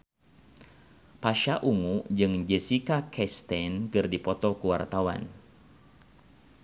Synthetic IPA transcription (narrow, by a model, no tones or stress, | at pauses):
paʃaʔuŋud͡ʒɨŋd͡ʒɛsikakʰɛst̪ɛnkɨrdipɔt̪ɔkuwa̰rt̪awa̰n